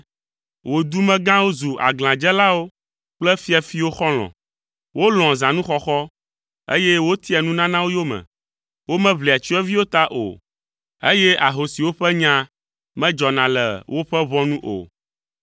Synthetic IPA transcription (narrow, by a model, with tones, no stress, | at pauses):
wo˨d̪u˦mɛ̃˦ɡã˦wo˦zu˨ʔa̰˨ɡl̃ã˨d͡ʒɛ˦la˦wo˦ | k͡plɛ˦fi˦ɛ˨fi˦wo˦xɔ˦l̃ɔ̰̃˨ | wo˦l̃ɔ̃˨zã˨nũ˦xɔ˦xɔ˦ | ḛ˦jɛ˦wo˦t̪i˦ɛ˨nũ˦nã˦nã˦wo˦jo˦mɛ̰̃˨ | wo˦mɛ̃˦βli˨a˨t͡ʃi˦ɛ˦vi˦wo˦t̪a˦ʔo̰˨ | e˦jɛ˦a˨ɦo˨si˨wo˦ɸɛ˦ɲã˦ | mɛ̃˦d͡ʒɔ˨nã˨lɛ̰˨wo˦ɸɛ˦βɔ˦nũ˦ʔo̰˨